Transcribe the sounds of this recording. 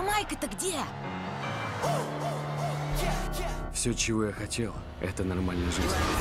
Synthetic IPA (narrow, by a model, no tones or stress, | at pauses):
majkət̪əɡdʲe | fsʲɵt͡ɕɪvo̞jaxɐtʲelˠ | ɛ̰t̪ənɐrmalʲnəjəʐɨzʲnʲ